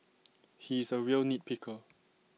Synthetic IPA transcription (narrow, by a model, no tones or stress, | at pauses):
hizəɹiəlnit̚pʰikʰə